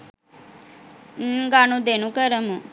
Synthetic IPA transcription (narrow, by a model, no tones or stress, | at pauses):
ŋ̩ːɡanud̪enukəɾəmu